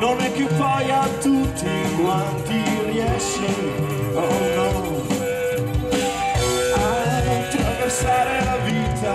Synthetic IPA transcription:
nonɛkːjupajat̪ut̪ːi | ma | kːiriɛʃ | e | ɔnɔ | aɛt̪aversaɾelavit̪a

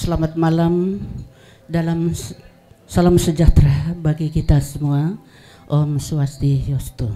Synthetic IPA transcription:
səlamat̪̚malam | dalam | salamsəd͡ʒaht̪ɾabaɡikit̪asəmua | ʔɔmsuast̪ijɔst̪u

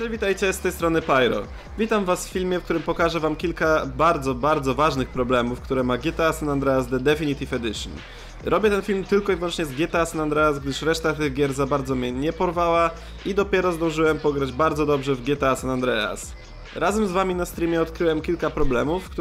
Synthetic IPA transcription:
pʂɛvʲit̪ajt͡ɕɛst̪ɛjst̪ɾɔnɘpajɾɔ̰ | vʲit̪amvasffʲilmʲjɛfk̚t̪uɾɘmpɔkaʐɛvamkʲilkabaɾd̪zɔbaɾd̪zɔvaʐnɘxpɾɔblɛmufkt̪uɾɛmaɡʲɛt̪ɛasɛnand̪ɾɛazd̪ɛd̪ɛfʲiɲʲit̪ifɛd̪ɘʂn | ɾɔbʲjɛt̪ɛnfʲilmt̪ɘlkɔivwɔnt͡ʂɲɛzɡʲɛt̪ɛasanand̪ɾɛasɡd̪ɘʂɾɛʂt̪at̪ɘɣɡʲjɛɾzabaɾd̪zɔmʲjɛɲɛpɔɾvawa | id̪ɔpʲjɛɾɔzd̪ɔ̃w̃ʐɘwɛmpɔɡɾad͡ʑbaɾd̪zɔd̪ɔbʐɛvɡʲjɛt̪ɛasanand̪ɾɛa̰s | ɾazɛmzvamʲinast̪ɾʲimʲjɛɔt̪kɾɘwɛmkʲilkapɾɔblɛmufkt̪

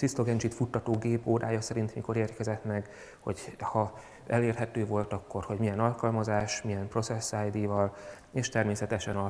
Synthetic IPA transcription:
sisloɡɛnd͡ʒit̪fut̪ːɒt̪oːɡeːpoːdaːjɒsɛɾint̪miko̞ɾeːrkɛzɛt̪nɛk | ho̞̰ɟhɒ | ɛleːrɦɛt̪øːvo̞lt̪ɒkːo̞rho̞ɟmijɛnɒlkɒlmɒzaːʃmijɛmpro̞t̪sɛsːajd̪ivɒl | eːʃt̪ɛrmeːsɛt̪ɛʃɛnɒ

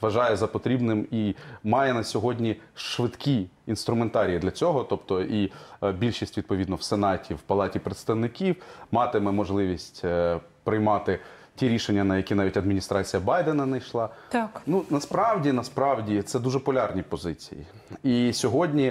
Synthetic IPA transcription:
ʋɐʒɑjɛzɐpɔt̪ɾʲibnɪmimɑjɛnɐsʲɔɦɔdʲnʲiʃʋɪt̪kʲiːnst̪ɾʊment̪ɑɾʲijid̪lʲɐt͡sʲɔɦɔt̪ɔpt̪ɔʔibʲilʲʃisʲtʲʋʲid̪̚pɔʋʲid̪nɔwsenɑtʲiwpɐlˠɑtʲipɾet̪st̪ɐʋnɪkʲiwmɑt̪ɪmɛmɔʒlˠɪʋʲisʲtʲpɾɪjmɑt̪ɪ | tʲiɾʲiʃenʲːɐnɐjɐkʲinɑʋʲitʲɐd̪mʲinʲist̪ɾɑt͡sʲijɐbɑjd̪enɐnɐjʃlˠɑt̪knunɐspɾɑwdʲinɐspɾɑwdʲit̪sɛd̪uʒɛpɔlʲɑrnʲipɔzɪt͡sʲḭjḭ | isʲɔɦɔdʲnʲi

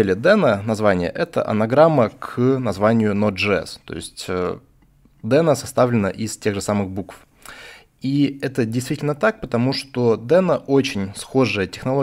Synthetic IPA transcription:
elʲɪd̪ɛnənɐzvanʲɪjə̰ʔɛt̪ə̰ʔɐ̰nɐɡɾamːəkʰnɐzvanʲɪjʊnod̪ʐɨɛ̰st̪o̞̰ɪ̰sʲtʲə | d̪ɛnəsɐst̪avlʲɪnə̰ʔɪstʲe̞ɣʐɨsamɨxbukf | iɛt̪ədʲɪjst̪vʲitʲɪlʲnət̪ak̚pət̪ɐmuʂt̪o̞d̪ɛnəʔo̞t͡ɕɪnʲsxo̞ʐɨjətʲɪxnɐlˠo

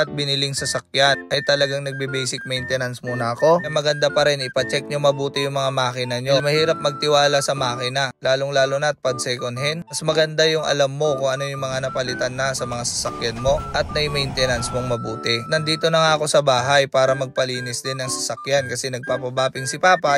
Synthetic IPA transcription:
ɐt̪̚bɪnɪlɪŋsɐsɐk̚janʔɐjt̪ɐlɐɡaŋnɐɡ̚bibɛjsɪk̚mɛjnt̪ɛnɐnsmuːnɐɐko̞mɐɡɐnd̪apɐɾɛnɪpɐt͡ʃɛk̚ɲʊŋmɐbuːt̪ɪjʊŋmɐŋamaːkɪnɐɲomɐhiːɾɐp̚mɐɡ̚t̪ɪwaːlɐsɐmaːkɪnɐlaːloŋlaːlʊnɐt̪̚pɐd̪̚sɛjkonɦɛnmɐsmɐɡɐnd̪ajʊŋʔɐ̰lamːo̞kʊŋʔɐno̞jʊŋmɐŋanɐpɐlɪt̪anːɐsɐmɐŋasɐ̥sɐkjanmo̞ʔɐt̪̚nɐjmɐjnt̪ɛnɐnsmoŋmɐbuːt̪ɪnɐnd̪iːt̪o̞nɐŋaɐko̞sɐbaːɦajpaːɾɐmɐɡ̚pɐliːnɪsd̪ɪnːɐŋsɐsɐkjankɐsɛnɐɡ̚papɐbaːpɪŋsɪpaːpa

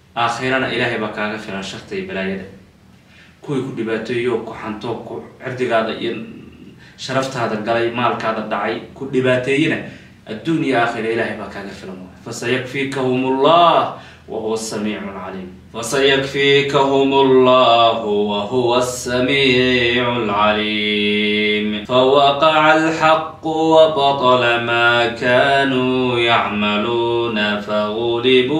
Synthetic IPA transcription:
ʔaːxɪɾɐnɐʔɪlaːɦɛjβaːkʰaːɣɐfɪlɐnʃɐrt̪ʰɪɛbɐlaːjɐðɐ | kʰʊwiːkʰʊɖɪβaːt̪ʰɛːjɔːkʰʊħɑnt̪ʰɔːkʰʊʕɪbd̪ɪɣaːðɐʔḭjɔ | ʃɐɾɐft̪ʰaːðɐɡɐlɛjmaːlkʰaːðɐɖɑʕɑjkʰʊɖɪβaːt̪ʰɛːjɛnɐ | ʔɐd̪uːnijɛaːxɪɾɐɪlaːhɛjβaːkʰaːɣɐfɪlɐnwaːjfɐsɐjɐkfiːkʰɐhʊmʊlːɑːh | wa̰hʊwasːamiːʕalʕa̰liːm | fɐsɐjakfiːkaɦʊmʊlˤːɑːhʊwahʊwasːamiːʕʊlʕaliː | mfawɑqɑʕalħɑqːʊwɑbɑt̪ˤɑlamaːkaːnuːjaʕmaluːnafaɣʊlɪbuː

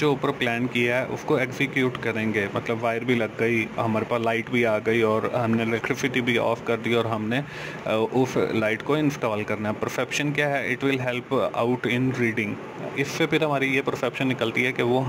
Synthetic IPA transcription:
d͡ʒoʊpəɾplɛːnkijaɦɛʔʊ̰skoeːksɪkjuːʈkɐɾẽːŋɡeːmɐt̪ləbʋaːɪɾbʱilɐɡːɐiɦɐmaːɾepaːslaːɪʈbʱiaːɡɐiɔːɾɦɐmnelɛkʈɪfɪʈibʱiɔ̰ːfkɐɾd̪iaɔːɾɦɐmne | ʊslaːɪʈkoɪ̃nsʈɔːlkɐɾnaɛpɐɾsɛpʃənkjaːɦɛʔɪʈʋɪlɦɛlpa̰ʊʈɪ̃nɾiːɖɪ̃ŋɡ | ɪsːepʰɪɾɦɐmaːɾijepɐɾsɛpʃə̃nːɪkəlt̪iɦɛkeʋoɦ

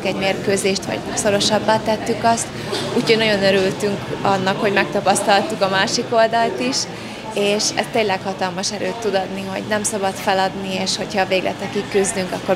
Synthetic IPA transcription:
kɛɟmeːrkøːzeːʃt̪ʋɒ̰ɟ̥so̞ɾo̞ʃɒbːaːt̪ːɛt̪ːykɒst̪ | uːchoɟnɒɟo̞nøɾylt̪yŋkɒnːɒkho̞ɟmɛk̚t̪ɒpɒst̪ɒlt̪ukɒmaːʃiko̞ld̪ɒlt̪iʃ | eːʃɛ̰st̪eːnlɛkhɒt̪ɒlmɒʃɛɾøːt̪ːud̪ɒd̪niɦo̞̰ɟnɛmsɒbɒt̪fɛlɒd̪nieːʃho̞cʰhɒveːɡlʔɛ̰t̪ɛkikːyzd̪yŋkɒkːo̞

